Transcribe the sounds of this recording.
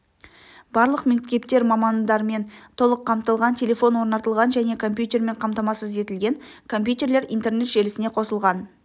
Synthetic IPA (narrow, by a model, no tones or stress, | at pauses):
bɑɾlˠəqme̞kt̪ʲe̞pt̪e̞ɾmɑmɑnd̪ɑɾme̞nt̪ʰo̞lˠəqʰːɑmt̪əlˠʁɑnt̪ʰʲe̞lʲe̞fo̞nwo̞ɾnɑt̪əlˠʁɑnʒæne̞kʰo̞mpjut̪ʲe̞ɾme̞ɴqʰɑmt̪ɑmɑsəze̞t̪ɪlɡʲe̞ŋ | kʰo̞mpjut̪e̞ɾle̞ɾijnt̪e̞rɾne̞t̪ʒ̥e̞lɪsɪne̞qʰo̞səlˠʁɑn